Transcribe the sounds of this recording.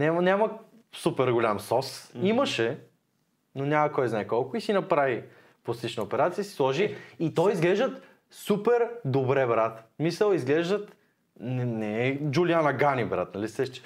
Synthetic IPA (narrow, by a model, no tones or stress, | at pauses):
nʲamnʲamə | supɛɾɡolʲamsɔsiməʃɛ | nonʲaməkɔjznaɛkɔlˠkʊisinɐpɾavi | poslit͡ʃnəopɛɾat̪sijəsi̥slˠɔʒiit̪ɔjizɡlɛʒd̪ət̪ | supɛɾd̪obɾɛbɾat̪misəlˠizɡlɛʒd̪ət̪ | nɛnɛd͡ʒulianəɡanibɾa̰t̪nɐlisɛʃt͡ʃɛ̥